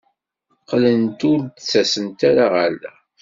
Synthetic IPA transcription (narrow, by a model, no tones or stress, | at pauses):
qlənt̪ʊɾd̪t͡sːæsənt̪aɾaʁalːæ